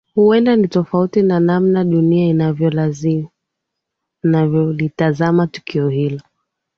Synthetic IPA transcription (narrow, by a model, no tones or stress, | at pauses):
huɛndanitɔfautinanamnaɗuniainavjɔlazi | navjɔlitazamatu̥kʰiɔhilɔ